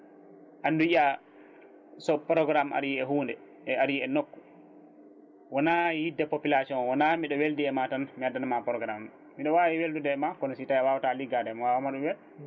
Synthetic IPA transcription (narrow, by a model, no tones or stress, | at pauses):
ʔanduja | sɔpɾɔɡɾama̰ɾjiɛɦuːndɛ | ɛaɾjiɛnokːu̥ | wɔnajidːapopilasiɔnwɔnamiɗɔweldiɛmatanmiadːanamapɾɔɡɾam | miɗɔwawiweldudɛmakɔnɔsitajawawtaliɡadɛmwawamaɗumbɛl